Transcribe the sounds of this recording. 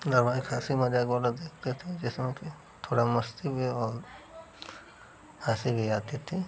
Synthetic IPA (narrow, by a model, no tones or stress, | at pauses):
d̪ɐɾbaːikʰaːsimɐd͡ʒaːkbaːlad̪eːk̚ʰt̪et̪ʰed͡ʒɛsmẽki | t̪ʰoːɽamɐst̪ibʱɛɔːɾ | aːsibʱiaːt̪it̪ʰi